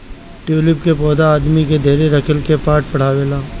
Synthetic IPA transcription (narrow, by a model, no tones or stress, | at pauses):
ʈuːlɪpkepɔːd̪aːd̪miked̪ʱeːɾeɾɐkʰəlkepaːʈ̚pɐɽ̤aːʋeːlaː